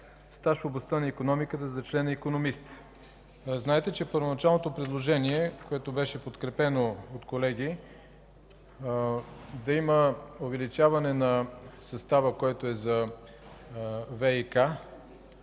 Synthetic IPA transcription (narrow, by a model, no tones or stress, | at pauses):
st̪aʃfoblˠɐst̪anɐikonɔmikət̪əzɐt͡ʃlɛnɐikonomist̪ | znaɛt̪ɛt͡ʃɛpəɾvonɐt͡ʃalˠnot̪opɾɛd̪lˠoʒɛniɛkoɛt̪obɛʃɛpot̪kɾɛpɛnoot̪kolɛɡ̟i | d̪ɐiməovɛlit͡ʃavɐnɛnɐsɐst̪avəkoɛt̪oɛzɐ | vɛika